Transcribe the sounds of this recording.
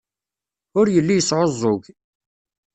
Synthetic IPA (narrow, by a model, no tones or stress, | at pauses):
ʊɾjəlːijəsʕozˤːoʝ